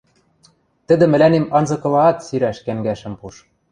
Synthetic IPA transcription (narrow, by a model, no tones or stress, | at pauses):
t̪ɘ̆d̪ɘ̆mɘ̆lænemɑnzɤ̆kɤ̆lɑːt̪siɾæʃkæŋɡæʃɘ̆mpuʃ